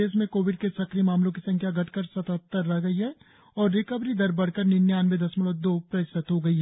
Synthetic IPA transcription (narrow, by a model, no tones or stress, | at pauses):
eːsmẽkoːʋɪɖ̚kesɐkʰɾimaːmlõkisɐ̃ŋkʰjaɡɐʈʰkəɾsɐt̪ət̪ːəɾːɛɦɡɐiɦɛː | ɔːɾːɪkəbɾid̪ɐɾbɐɽ̤kəɾnɪnjaːnmẽd̪ɐsmɪləd̪oːpɾɐɪsət̪ɦoɡɐiɦɛː